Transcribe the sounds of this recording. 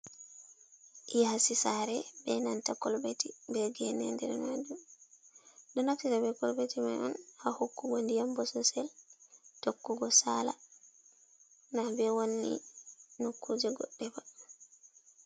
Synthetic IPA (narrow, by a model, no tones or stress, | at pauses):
ijhasisaɾɛbɛnantakɔlbetibɛɡɛnia̰ndɛɾɛmad͡ʒum | dɔnaktitabɛkɔlbetimajɔ̰nhahokːuɡɔndijambɔsɔsɛltokːuɡɔsala̰ | nabɛwonːḭnokʰːud͡ʒɛɡɔ̰ɗːɛba